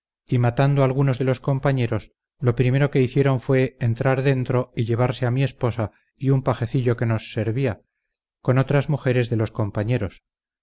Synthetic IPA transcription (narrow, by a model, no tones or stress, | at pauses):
imat̪and̪oalɣ̞unozðe̞lo̞sko̞mpaɲe̞ɾo̞s | lo̞pɾime̞ɾo̞ke̞iθje̞ɾo̞ɱfwe̞ːnt̪ɾaɾðe̞nt̪ɾo̞iʎe̞β̞aɾse̞amie̞spo̞sa | iumpaxe̞θiʎo̞ke̞no̞sːe̞ɾβia | ko̞no̞t̪ɾazmuxe̞ɾe̞zðe̞lo̞sko̞mpaɲeɾo̞s